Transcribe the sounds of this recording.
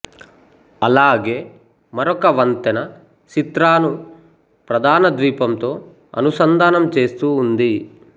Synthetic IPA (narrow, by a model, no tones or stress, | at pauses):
ɐlaːɡe̞ː | mɐɾɔkɐʋɐnt̪ɐnɐ | t͡ʃit̪ɾaːnu | pɾɐd̪aːnɐd̪ʋiːpɐmt̪o̞ː | ɐ̰nusɐnd̪ʱaːnɐmt͡ʃe̞ːst̪uːnd̪i